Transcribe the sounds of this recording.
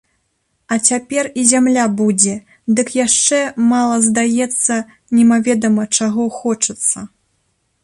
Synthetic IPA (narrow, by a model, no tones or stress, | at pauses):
ɐt͡sʲapʲɛrizʲamlʲabud͡zʲɛ | d̪ɨkjaʂt͡ʂɛmalˠɐzd̪ajɛt̪sːɐ | nʲɛmavʲɛd̪ɐmɐt͡ʂaɣɔxɔt͡ʂɨt̪sːɐ